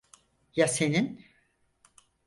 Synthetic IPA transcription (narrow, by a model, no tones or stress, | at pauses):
jase̞nin